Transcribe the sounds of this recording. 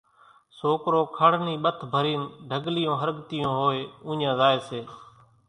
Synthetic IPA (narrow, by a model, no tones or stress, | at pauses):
soːkɾoːkʰəɽ̤niːɓət̪ʰbʱəɾiːnɖʱəɡlɪjõːɦəɾɠt̪ɪjõːɦoːeːũːɲãːzaːeːseː